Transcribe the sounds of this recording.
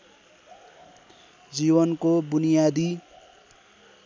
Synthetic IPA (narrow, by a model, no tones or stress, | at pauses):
d͡zibʌnkobunijad̪i